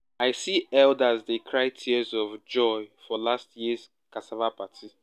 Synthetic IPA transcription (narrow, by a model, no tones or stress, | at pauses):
aɪsiɛldazdekʰɹaɪtʰizɔvd͡ʒɔɪfɔlastjiəz̥ | kasavapatʰi